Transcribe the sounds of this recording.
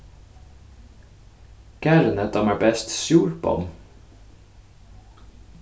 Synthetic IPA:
kæɾnət̪̚ɑmæːbɛst̪sjuːɾbɔ̰m

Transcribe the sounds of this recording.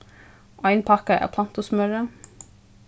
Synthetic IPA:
ʔœɪnpʰɑkɑæ̰pʰlɑnt̪ʊsmœɾə

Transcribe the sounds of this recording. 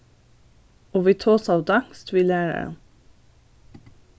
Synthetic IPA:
oːʋiːt̪ʰoːsɑːʋd̪ɑŋst̪ʋiːlæːɾə̰

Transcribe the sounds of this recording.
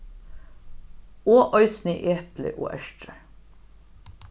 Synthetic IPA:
oːʔœʏsnɪʔeːplɪ̰ʔo̰ːʔæʃʈɾə

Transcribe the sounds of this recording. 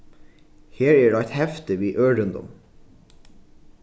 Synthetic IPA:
heːɹeːɖɑæɪt̪hɛft̪əʋiːʔøːɖʉnd̪ɔ̰m

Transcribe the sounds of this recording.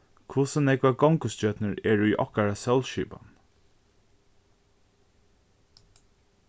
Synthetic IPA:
kʰvʊsənɛkvaɡɔŋkʊst͡ʃœt̪nəɹɛɹujʔɔ̰hkaɹasœlʃḭːpa̰n

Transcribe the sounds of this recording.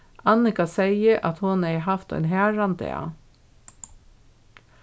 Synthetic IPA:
ʔɑnɪkasɛɪəʔɑ̰t̪hʊnɛɪɦɑft̪ɑ̰nɦæːɹɑnd̪ḛɑ̰

